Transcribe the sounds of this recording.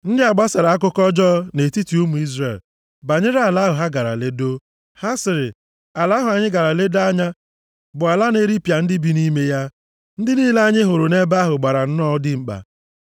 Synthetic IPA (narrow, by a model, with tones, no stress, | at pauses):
n̩˦dɪ˦a˨ɡ͡ba˦sa˨ɾa˨a˦kʊ˦kɔ˦d͡ʒɔ˦ne˨ti˦ti˨u˦mu˨i˦zre˨l | ba˨ɲɪ˦ɾa˨la˦ɦʊ˨ɦa˦ɡa˨ɾa̰˨le˦do˦ | ha˦sɪ˨ɾɪ˨ | a˨la˦ɦʊ˨a˨ɲɪ˦ɡa˨ɾa˨le˦da˦ɲa˦ | bʊ˨a˨la˦ne˦ɾi˦pa˨n̩˦dɪ˦bi˦ni˦me˦ja˦ | n̩˦dɪ˦niː˦la˦ɲɪ˦ɦo˨ɾʊ˨ne˦ba˦ɦʊ˨ɡ͡ba˨ɾa˨n̩˦nɔ˦dɪ˦ŋ͡m̩˦k͡pa̰˨